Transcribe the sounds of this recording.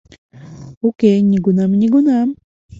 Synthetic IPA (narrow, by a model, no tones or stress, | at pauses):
ukeɲiɡʊnamɲiɡʊnam